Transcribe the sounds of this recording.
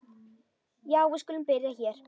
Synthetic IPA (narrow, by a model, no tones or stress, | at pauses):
jaːwvɪskʏːlʏmpɪɾjaçɛɾ̥